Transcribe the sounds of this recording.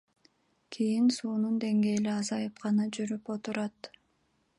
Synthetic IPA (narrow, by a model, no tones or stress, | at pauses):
kʰijinsuːnund̪e̞ŋɡe̞ːliɑzɑjɯp̚qʰɑnɑd͡ʒyɾypo̞t̪uɾɑt̪